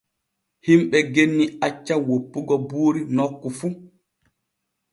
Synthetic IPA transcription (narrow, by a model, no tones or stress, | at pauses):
himɓɛɡenːiat͡ʃːawopːuɡɔbuːɾinɔkːufu